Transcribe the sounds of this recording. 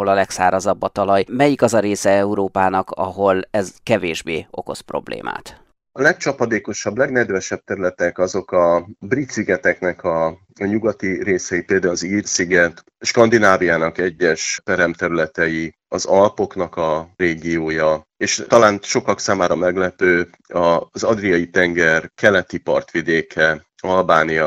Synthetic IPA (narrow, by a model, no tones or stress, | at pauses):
olɒlɛksa̰ːɾɒzɒbːɒt̪ɒlɒjmɛjikɒzɒɾeːsɛɛuɾoːpaːnɒkɒ̰ɦo̞lɛzkɛveːʒbeːo̞̰ko̞̰spro̞̰blḛːmʔa̰ːt̪ | ɒlɛkt͡ʃɒpɒd̪eːko̞ʃɒbːlɛɡnɛd̪vɛʃɛb̚t̪ɛɾylɛt̪ɛkɒzo̞kɒbrit̪siɡɛt̪ɛknɛkɒ | ɲuɡɒt̪iɾeːsɛjipeːld̪aːulziːrsiɡɛt̪ | ʃkɒnd̪inaːvijaːnɒkɛɟːɛʃpɛɾɛmt̪ɛɾylɛt̪ɛji | ɒzɒlpo̞knɒkɒreːɡijoːjɒ | eːʃt̪ɒlaːnʃo̞kɒksaːmaːɾɒmɛɡlɛpøː | ɒzɒd̪rijɒjit̪ɛŋɡɛrkɛlɛt̪ipɒ̰rt̪ʋid̪eːkʰɛ | ɒlbaːnijɒ